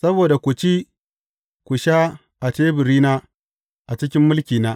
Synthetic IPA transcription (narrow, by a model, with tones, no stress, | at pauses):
sɐ˦boː˨da˨kʷʊ˨t͡ʃi˦ | kʷʊ˨ʃaː˦ | ʔa˨teː˦bɪ˨ɾiː˦naː˦ | ʔa˨t͡ʃɪ˦k̬ʲɪ˦mːʊ˦lkʲiː˨naː˦